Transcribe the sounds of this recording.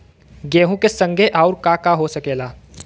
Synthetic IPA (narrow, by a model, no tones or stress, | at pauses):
ɡeːɦũkesə̃ŋɡʱeʔɔːʊɾkakaɦosəkeːlaː